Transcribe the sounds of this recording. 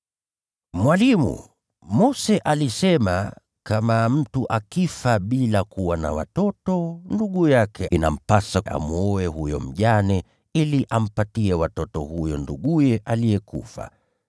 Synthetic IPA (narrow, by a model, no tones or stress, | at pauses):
mwalimṵ | mɔsɛʔalisɛma̰ | kamam̩tuʔakifaɓilakuwana̰wa̰tɔtɔnduɠujakʰɛina̰m̩pasaʔa̰muɔɛhujɔ̰m̩ʄanɛ | iliʔam̩patiɛwatɔtɔhujɔnduɠujɛʔalijɛkṵfa̰